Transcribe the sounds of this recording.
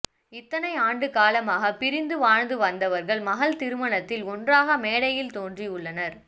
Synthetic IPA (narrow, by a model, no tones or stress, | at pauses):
ɪt̪ːɐnɐɪaːɳɖɯkaːlɐmaːɣɐpɪɾɪnd̪ɯʋaːɻnd̪ɯʋɐnd̪ɐʋɐɾɣɐɭmɐɣɐlt̪ɪɾɯmɐnɐt̪ːɪlɔndraːɣɐmeːɽɐjɪlt̪oːndriʊɭːɐnɐɾ